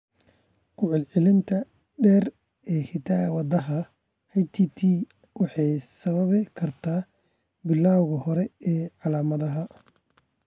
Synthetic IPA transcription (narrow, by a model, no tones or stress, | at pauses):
kʰʊʕɑlʕɪlɪnt̪ʰɐ | ɖɛːr | ɛːkʰɪt̪ʰaːwɑd̪ɐɦɐ | hɐjt̪ʰiːt̪ʰiː | wɑħɑjsɐβɐβɪkʰɐrt̪ʰaː | bɪlːaːwɣɐhɔɾɛɛːʕɑlaːmɐðɐɦɐ